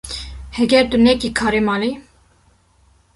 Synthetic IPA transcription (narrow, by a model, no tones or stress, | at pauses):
hɛɡɛɾt̪unɛkikʰɑːɾimɑːli